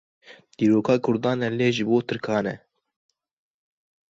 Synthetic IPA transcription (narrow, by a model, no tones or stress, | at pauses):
d̪̥iːɾoːkʰɑːkʰʊɾd̪ɑːnɛleːʒɨboːt̪ʰɨɾkʰɑːnɛ̰